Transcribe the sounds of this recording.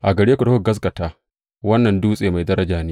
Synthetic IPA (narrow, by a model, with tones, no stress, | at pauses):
ʔa˨ɡɐ˨ɽeː˦kʷu˨da˦˨ɡɐ˦s̬ɡɐ˨taː˦ | wɐ˦nːɐ˨nduː˦sʼeː˨ma˨jdɐ˦ɾɐ˦d͡ʒaː˨neː˦